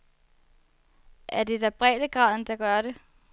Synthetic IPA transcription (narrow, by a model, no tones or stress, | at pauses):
ʔæɐd̥e̝d̥æb̥ʁɛ̰ːd̥əɡ̥ʁɑ̈ð̞̰ˠn̩d̥ɑ̈ɡ̥ɶɐɾe̝